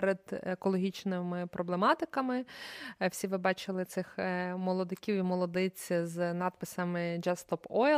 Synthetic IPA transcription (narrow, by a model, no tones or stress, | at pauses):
ɾed̪ekɔlˠɔɦʲit͡ʃnɪmɪpɾʔɔblˠemɑt̪ɪkɐmɪw̥sʲiʋɪbɑt͡ʃɪlˠɪt̪sɪxmɔlˠɔd̪ekʲiwimɔlˠɔd̪ɪt͡sʲznɑd̪̚pɪsɐmɪd͡ʒɑst̪ɔpɔ